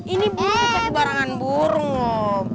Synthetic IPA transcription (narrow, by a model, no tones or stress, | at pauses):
inibuɾuŋpakəbaɾaŋanbuɾuŋwɔ